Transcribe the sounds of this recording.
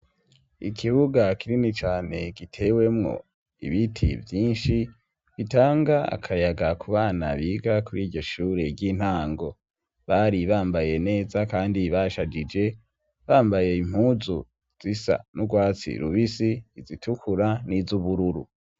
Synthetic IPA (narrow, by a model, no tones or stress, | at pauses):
ḭkʰiβuɡakiɾinit͡ʃaːne̞ɡitʰe̞we̞mŋo̞̰ | ḭβitʰḭvjiːnʃi | βitaːŋɡaa̰kʰajaɡakuβaːna̰βiɡakuɾiːɾɟo̞ʃuːɾe̞ɾɟin̥haːŋɡo̞ | βaɾiβaːmbaje̞ne̞ːzakaːndiβaʃad͡ʒid͡ʒe̞ | βaːmbaje̞im̥huːzu | z̥isa̰nuɡwaːt͡sḭɾṵβisiːzitʰukʰuɾanizuβuɾuɾṵ